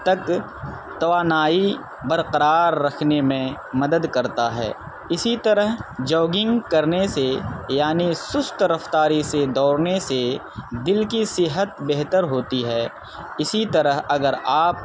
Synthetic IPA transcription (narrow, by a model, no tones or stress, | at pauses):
t̪ɐk | t̪ɐʋaːnaːi | bɐɾqəɾaːɾːɐkʰnemẽ | mɐd̪əd̪kɐɾt̪aɦɛ̰ː | ɪsit̪ɐɾəɦd͡ʒɔːɡɪ̃ŋɡkɐɾnesejaːnisʊst̪ɾɐft̪aːɾised̪ɔːɽnese | d̪ɪlkisɪɦət̪beɦt̪əɾɦoːt̪iɦɛː | ɪsit̪ɐɾəɦɐɡəɾaːp̚